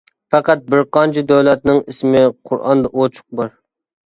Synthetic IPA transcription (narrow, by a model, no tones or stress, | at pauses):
pæqæt̪̚bɪɾqɑnt͡ʃʰid̪øwlɛt̪nɪŋɪsmɪqʰʊɾɑ̰nd̪ɑʔot͡ʃʰʊ̥q̚bɑɾ